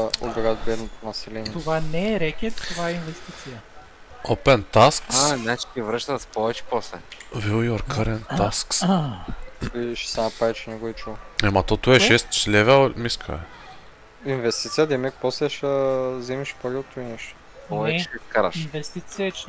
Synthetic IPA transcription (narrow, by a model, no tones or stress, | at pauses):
o̰bɛɡat̪bɛt̪nɐsɛlint̪ovanɛːɾɛkʲɛt̪t̪ovaɛinvɛst̪it̪sijə | opɛnt̪askanat͡ʃi̥k̪ʲivɾəʃt̪ət̪spɔvɛt͡ʃɛ̥pɔslɛvilˠjoɾkʰaɾɛnt̪asksa | iʃɛ̥sɛnɐpɾaɛt͡ʃɛnʲɛɡʊit͡ʃuamɐt̪ɔt̪uɛʃɛst̪t͡ʃlɛvɛlmiskʰa̰ɛ̰ | invɛst̪it̪sijəd̪ɛmɛkpɔslɛʃəzɛmiʃpoɡɛt̪uinɛʃt̪ | ɔvɛt͡ʃɛiskaɾɐʃinvɛst̪it̪sijət͡ʃ